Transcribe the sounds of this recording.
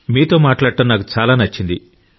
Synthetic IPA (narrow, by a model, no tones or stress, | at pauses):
miːt̪o̞ːmaːʈlaːɽʈ̪ɐnːaːk̬ut͡ʃaːlaːnɐt͡ʃːind̪i